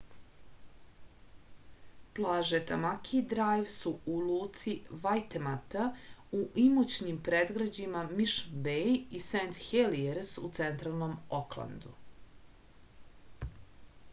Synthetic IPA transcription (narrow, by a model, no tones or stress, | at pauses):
plˠaːʒet̪amakʰid̪ɾajʋsuulˠuːt̪siʋajt̪emat̪auʔimut͡ɕnimpɾed̪ɡɾad͡ʑimamiʃbeisent̪xelieɾsut̪sent̪ɾalˠnomoklˠa̰nd̪u